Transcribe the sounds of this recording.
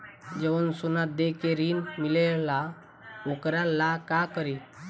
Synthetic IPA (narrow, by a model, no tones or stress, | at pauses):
d͡ʒəwənsunad̪ekeɾinmilela | okɾalakakəɾi